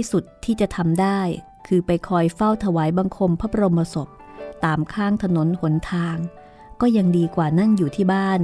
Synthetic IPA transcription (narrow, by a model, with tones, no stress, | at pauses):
su˨˩t̪ʰːiː˥˩t͡ɕa˨˩ʔt̪ʰa˧mdaː˥˩j | kʰɯː˧pa˧jkʰɔː˧jfa˥˩wt̪ʰa˧waː˩˦jba˧ŋkʰo˧mpʰa˦˥pʰɾo˧mpa˧so˨˩p̚ | t̪aː˨˩mkʰaː˥˩ŋt̪ʰa˧no˩˦nho˩˦nt̪ʰaː˧ŋ | kɔː˥˩ja˧ŋdiː˧kwaː˨˩na˥˩njuː˨˩t̪ʰiː˥˩baː˥˩n